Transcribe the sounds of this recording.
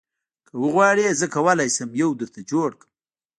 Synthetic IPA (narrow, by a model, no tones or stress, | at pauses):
kʰəwəɣwɑɽezəkawalajsəmjawd̪əɾt̪ʰad͡ʒoɽkə̥m